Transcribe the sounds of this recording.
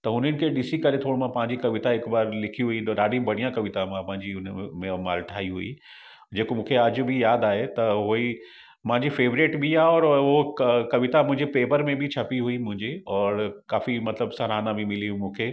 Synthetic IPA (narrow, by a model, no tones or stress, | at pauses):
t̪ɐʊn̤ənɪ̆kʰeɗɪsikɐɾet̪ʰoːɽmãpɐ̃ɦɪ̃ɲd͡ʑikɐʋɪt̪aɪkbaːɾlɪkʰiɦuiɗaːɖĩbɐɽ̤̃ijãkɐʋɪt̪amãpɐ̃ɦɪ̃ɲd͡ʑiʊnmẽma̰ːɾʈʰaːiɦuḭ | d͡ʑeːkomũːkʰeɐd͡ʑbʱɪjaːd̪aːɦet̪ɐɦoːi | mɦãɲd͡ʑifeːʋɾeːʈbʱiaɔːɾʊkkɐʋɪt̪amʊ̃ɦɪ̃ɲd͡ʑepeːpəɾmẽbʱɪt͡ɕʰɐpiɦuimʊ̃ɦɪ̃ɲd͡ʑiɔːɾkaːfimɐt̪ləbsɐɾaːnãbʱimɪliɦũmũːkʰeː